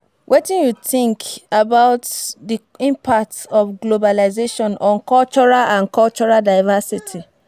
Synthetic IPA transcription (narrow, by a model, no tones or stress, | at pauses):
wʔetĩnjutĩŋkabaʊtdi | ĩmpak̚tɔfɡlobalazeʃɔ̃nɔ̃nkɔlt͡ʃɔɹalãnkɔlt͡ʃɔɹaldaɪvasitʰi